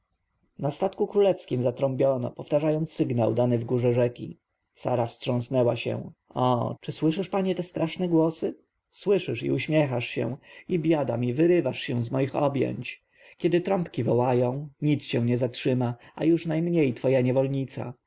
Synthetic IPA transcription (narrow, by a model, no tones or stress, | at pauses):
nast̪at̪kukɾulɛfskʲimzat̪ɾɔmbʲjɔnɔ̰pɔft̪aʐajɔnt̪ssːɘɡnawd̪anɘvɡuʐɛʐɛkʲḭ | sa̰ɾafstʂɔ̃w̃snɛwaɕɛ̰̃ɔ̰t͡ʂɘswɘʂɘʂpaɲɛt̪ɛst̪ɾʔaʂnɛɡwɔsɘ | swɘʂɘʂḭuɕmʲjɛxaʂɕɛ̰w̃ibʲjad̪amʲivɘɾɘvaʂɕɛw̃zmɔjixɔ̰bʲjɛ̰ɲt͡ɕ | kʲɛd̪ɘt̪ɾɔmpkʲivɔwajɔ̃w̃ɲit̪sɕɛw̃ɲɛzatʂɘmaa̰juʂnajmɲejt̪fɔjaɲɛvɔlɲit̪sa̰